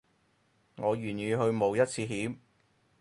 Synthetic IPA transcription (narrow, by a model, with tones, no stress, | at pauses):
ŋɔː˨˧jyː˨˩njyː˨˧ɦɵ˧ɥmo˨˧wjɐ˥t̚t͡sʰiː˧ɦiː˨˥m̚